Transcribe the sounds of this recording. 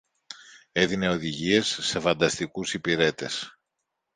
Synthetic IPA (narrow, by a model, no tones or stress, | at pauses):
e̞ðine̞o̞ðiʝie̞sːe̞fɐnd̪ɐst̪ikusipiɾe̞t̪e̞s